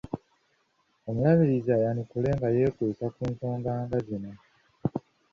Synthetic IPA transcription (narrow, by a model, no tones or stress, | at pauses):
o̞mulaβiɾizaːjanikule̞ːŋɡaje̞ːkusakuːnso̞ːmbaːŋɡazino